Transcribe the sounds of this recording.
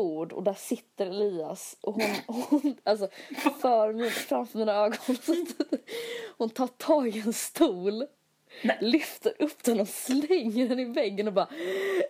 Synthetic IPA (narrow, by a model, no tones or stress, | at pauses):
uːɖɔ̰d̪æʂɪt̪ːəɾɛliːa̰sʔɔɦʊnhʊnʔals̬ɔfœːɾmfɾamfœmiːnaøːɡɔnnst̪ | hʊnt̪ʰɑːʈʰɑːɡɛnst̪uːl | lʏft̪əɾʔɵpːd̪̥ɛnɔslɛŋːəɖɛnɪvɛɡːənɔbɑːɾ